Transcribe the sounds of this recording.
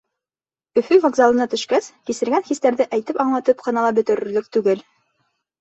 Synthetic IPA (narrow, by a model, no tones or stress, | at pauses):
ɵ̆fɵvɐɡzɑlˠɤ̆nɑt̪ɵ̆ʃkæskisɘ̆ɾɡænχist̪æɾðɘʔæjt̪ɘpɑɴlˠɑt̪ɤpqɤ̆nɑlˠɑbɵ̆t̪ɵ̆ɾɵ̆ɾlɵk̚t̪ʉɡɘl